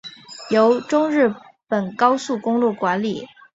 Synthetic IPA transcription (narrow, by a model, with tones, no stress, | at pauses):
jo˧˥ʊʈ͡ʂʊ˥ŋɻɻ̩˥˩ | pə˨˩nkɑ˥ʊsu˥˩kʊ˥ŋlwɔ˥˩kwa˧˥nli˨˩˦